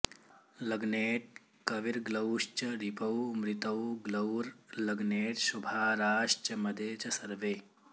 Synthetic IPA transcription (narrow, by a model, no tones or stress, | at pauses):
lɐɡneːʈ̚ | kɐʋiɾɡlɐwʃt͡ʃɐɾipɐwmɾit̪ɐwɡlɐwɾlɐɡneːʈʃubʱaːɾaːʃt͡ʃɐmɐd̪ʱeːt͡ʃɐsɐɾʋeː